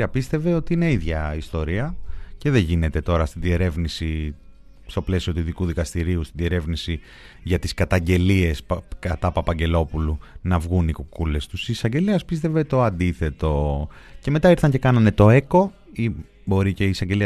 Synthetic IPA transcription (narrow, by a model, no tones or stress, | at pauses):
ɐpist̪e̞ve̞o̞t̪iine̞iðʝɐist̪o̞ɾiɐce̞ðeʝine̞t̪e̞t̪o̞ɾɐst̪iðie̞ɾe̞vnisi | st̪o̞ple̞siot̪uiðikuðikɐst̪iɾiust̪inðie̞ɾe̞vnisi | ʝɐt̪iskɐt̪ɐɲɟe̞lie̞spkɐt̪ɐpɐpɐɲɟe̞lo̞pulunɐvɣunikukule̞st̪usiːsɐɲɟe̞liɐspist̪e̞ve̞t̪o̞ɐnd̪iθe̞t̪o̞ce̞me̞t̪ɐiɾθɐɲce̞kɐnɐne̞t̪o̞e̞ko | i | bo̞ɾice̞iːsɐɲɟe̞li